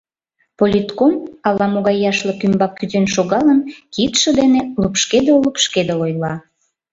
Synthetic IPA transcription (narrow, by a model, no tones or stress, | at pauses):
polʲit̪komɑlːɑmoɣɑjɑʃlɤkymbɑkːyzenʃoɣɑlənkit̪ʃə̆d̪enelupʃked̪elupʃked̪eojlɑ